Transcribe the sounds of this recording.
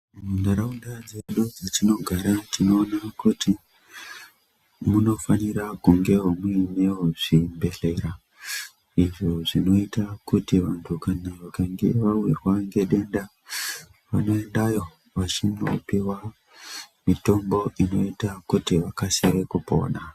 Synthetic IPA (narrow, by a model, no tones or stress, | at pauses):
mundaɾaundad͡zeɗud͡zatino̞ɡʱaɾatino̞ːnakuti | muno̞fanirakuŋɡe̞ɦominewoʐ̥imbe̞ɮe̞ɾa | iʐoʐino̞itakutiʋantʰukanaʋakaŋɡe̞ʋawirwaŋɡe̞ɗe̞nda | ʋano̞e̞ndajo̞ | ʋat͡ʃino̞̰piwa | mito̞mbo̞ʔino̞itakutiʋakasiɾe̞kupo̞̰ːɗa